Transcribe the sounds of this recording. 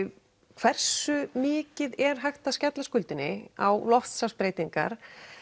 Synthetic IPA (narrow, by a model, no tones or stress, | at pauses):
kʰvɛr̥sʏmɪːcɪðɛɾ̥ɦajxt̪ascɛt̪laskʏlt̪ɪnːɪa̰wlɔft̪saspɾeːjt̪iŋka̰ɾ̥